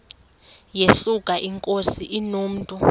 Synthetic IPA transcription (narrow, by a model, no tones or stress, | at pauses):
jesukʼaʔiŋkʼosiʔinoːm̩tʼu